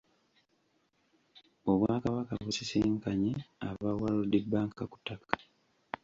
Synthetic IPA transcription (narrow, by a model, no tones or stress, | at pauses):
o̞βwaːkaβakaβusiseːŋkaɲeaβawalodːebaːŋkaku̥tːakḁ